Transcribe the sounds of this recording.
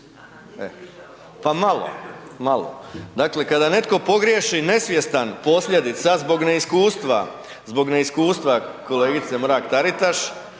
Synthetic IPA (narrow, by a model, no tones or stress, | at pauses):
ḛ | pamalo̰malo̰d̪aːkle̞kad̪ane̞t̪ko̞po̞ɡɾjeʃine̞sʋje̞st̪anpo̞sʎʲe̞d̪it̪sazbo̞ɡne̞iskuːst̪ʋa̰ | zbo̞ɡne̞iskuːst̪ʋako̞le̞ːɡit̪se̞mɾaːkt̪aɾit̪aʃ